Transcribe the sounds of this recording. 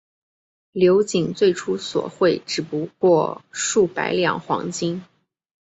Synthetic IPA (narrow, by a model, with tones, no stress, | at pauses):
ljo˧˥ʊt͡ɕi˨˩ŋt͡swe˥˩ɪʈ͡ʂʰu˥swɔ̰˨˩xwe˥˩ɪʈ͡ʂɻ̩˨˩pu˧˥kwɔ˥˧ʂu˥˩pa̰˧˥ɪljɑ̰˨˩ŋxwɑ̰˧˥ŋt͡ɕi˥ŋ